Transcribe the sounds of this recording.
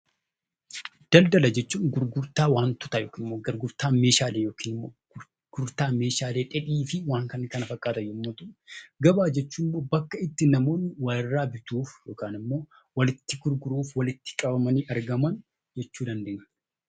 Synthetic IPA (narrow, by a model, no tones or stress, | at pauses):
d̪̥ɐld̪ɐlɐd͡ʒɛt͡ʃːuːŋɡʊɾɡʊɾt̪aːwaːnt̪ʊ̥t̪ɐjoːkiːnmːoːɡɐɾɡʊɾt̪aːme̞ːʃaːleːjo̞ːkiːnɪmːo̰ː | ɡ̥ʊɾt̪aːme̞ːʃaːleːᶑɛᶑiːfɪwaːŋkɐnkɐnɐfɐkʼaːt̪ɐjomːoːt̪ʊɡɐbaːd͡ʒɛt͡ʃːuːmːo̞ːbɐkːɐɪt̪ːɪnɐmo̞ːnːɪwɐɪrːaːbɪt̪uːfjo̞ːkaːnɪmːo̞ː | wɐlɪt̪ːɪɡʊɾɡʊɾuːfwɐlɪt̪ːɪ̥kʼɐbɐmɐniːʔɐɾɡɐmɐn | d͡ʒɛt͡ʃːuːd̪ɐnd̪eːɲː